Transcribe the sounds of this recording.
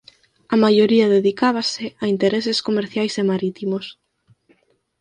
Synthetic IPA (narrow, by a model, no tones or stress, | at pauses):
amajoɾiaðeðikaβaseaint̪eɾeseskomeɾθjajsemaɾit̪imos